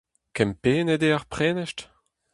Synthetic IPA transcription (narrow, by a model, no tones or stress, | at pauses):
kɛmpeːned̪eaʁpχeːneʃt